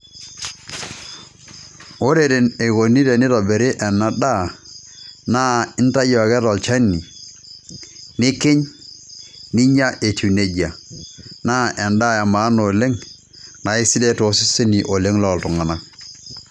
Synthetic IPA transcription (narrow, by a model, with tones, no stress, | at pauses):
o˦ɾe˨ɾe˨ne˨ɣo˨ni˦ɾe˨nɪ˦ɾɔ˨be˨ɾɪ˦ʔɛ˨na˦da˦ | na˦ɪ˦n˦ta˦jɔ˨ɣɛ˦tɔ˨lt͡ʃɛ˦nːi˨ | nɪ˦kɪ˦ɲ | nɪ˦ɲa˦ʔe˨tu˨ne˨d͡ʒi˨a˨na˦ʔɛ˨nda˦˨ja˨maː˨˦no˨le˦ŋ | na˨ɪ˦si˦de˦to˨˦si˦se˦ni˨ʔo˨le˦ŋlɔ˨ltʊ˨ŋa˨na˦